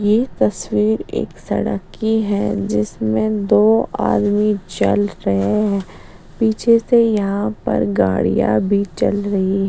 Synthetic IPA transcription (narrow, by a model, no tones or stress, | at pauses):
jet̪ɐswiːɾḛːksɐ̰ɽə̰kːiɦɛ̃d͡ʒɪsmẽd̪oːaːd̪mit͡ʃɐ̰lɾɐɦeɦɛ̃ː | piːt͡ʃʰesejɐɦãpɐ̰ɾɡaːɽḭja̰bʱit͡ʃɐlɾɐɦiɦɛ